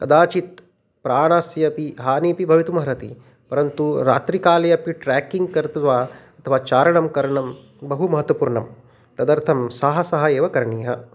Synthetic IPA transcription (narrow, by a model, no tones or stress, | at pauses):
kɐ̰d̪aːt͡ʃit̪̚ | pɾaːɳaːsjɐpiɦaːniːpibʱɐʋit̪umɐɦɐɾɐt̪ḭ | pɐɾɐnt̪uɾa̰ːt̪ɾikaːlɐjɐpiʈɾaːkiŋɡkɐɾt̪uʋaːɐt̪ʰɐʋaːt͡ʃaːɾɐɳɐmkɐɾɐɳɐm | bɐɦumɐɦɐt̪wɐpuːɾɳɐm | t̪ɐd̪ɐɾt̪ʰɐmsɐɦɐsɐɦɐeːʋɐkɐɾɳiːɦɐ